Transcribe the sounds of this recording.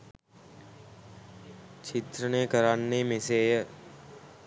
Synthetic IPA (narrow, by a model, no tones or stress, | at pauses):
t͡ʃʰɪt̪ɾəneːkəɾanːeːmɪseːjə